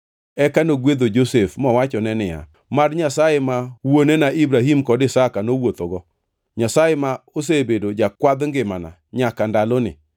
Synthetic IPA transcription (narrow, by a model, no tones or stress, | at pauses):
ɛkanoɡwed̪od͡ʒosefmɔwat͡ʃɔnɛnɪja̰ | marɲasajemawonenaibɾaɦimkɔdɪsakanowot̪oɡɔ | ɲasajemaos̬ebedod͡ʒakwad̪ŋɡɪmana̰ | ɲakandalonɪ̰